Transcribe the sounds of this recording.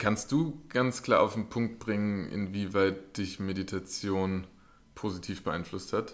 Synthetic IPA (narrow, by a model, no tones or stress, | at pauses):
kʰanst̚d̥uːɡ̥ant͡skl̥aːɐʔaʊfdnpʰʊŋk̚t̚b̥ʁɪŋənʔɪ̰nviːvaɪt̚d̥ɪçmeditʰat͡sjoːn | pʰoːzitʰiːfb̥əʔa̰ɪnflʊsthat